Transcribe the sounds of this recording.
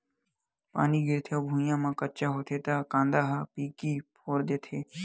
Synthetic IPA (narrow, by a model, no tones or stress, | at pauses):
pa̰ːniːɡɪɾt̪ʰjoːbʱũːjãːmãːkətt͡ʃaːɦoːt̪ʰeːt̪aːkãːnd̪aːɦaːpiːkiːpʰoːɾd̪eːt̪ʰeː